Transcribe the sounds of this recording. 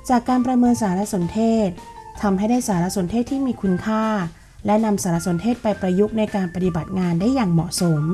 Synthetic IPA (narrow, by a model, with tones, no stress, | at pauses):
t͡ɕaː˨˩kːaː˧npɾa˧mɤː˧nsaː˩˦ɾa˦˥so˩˦nt̪ʰeː˥˩t̪̚t̪ʰa˧mɦa˥˩jdaː˥˩jsaː˩˦ɾa˦˥ʔso˨˩˦nt̪ʰeː˥˩t̪ʰːiː˥˩miː˧kʰu˧nkʰaː˥˩ | lɛ˦˥na˧msaː˩˦ɾa˦˥so˩˦nt̪ʰeː˥˩t̪̚pa˧jpɾa˧ju˦˥k̚na˧jkaː˧npa˧t̪i˨˩ba˨˩t̪̚ŋaː˧ndaː˥˩jaː˨˩ŋmɔ˨˩ʔso˩˦m